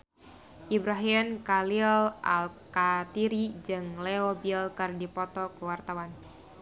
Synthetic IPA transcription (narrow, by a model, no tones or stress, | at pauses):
ʔibɾaɦinkalilʔa̰lkat̪iɾid͡ʒɨŋleobilkɨrdipɔt̪ɔkəwart̪awan